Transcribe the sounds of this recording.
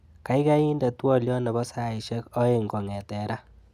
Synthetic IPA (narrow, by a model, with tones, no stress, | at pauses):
ka˨˦jka˦i˦nda˨twɔ˦ljɔ˦nɛ˨bɔ˦sa˦i˨ʃɛ˦kɔ˦e˨ŋɡɔ˨ŋɛ˨tɛ˨ɾa˦